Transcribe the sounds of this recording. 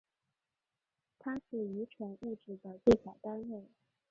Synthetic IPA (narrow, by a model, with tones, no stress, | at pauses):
t̪ʰa˥ʂɻ̩˥˩y˧˥ʈ͡ʂʰwɛ˧˥nu˥˧ʈ͡ʂɻ̩˥˩d̪ə˦te˥˩ɪsja˨˩t̪a˥nwe˥˩ɪ